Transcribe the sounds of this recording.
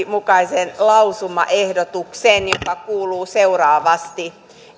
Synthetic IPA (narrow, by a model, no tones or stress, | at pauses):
mukɑisenlɑusumɑ̰ʔehdot̪uksenjokɑkuːluːseurɑːʋɑst̪i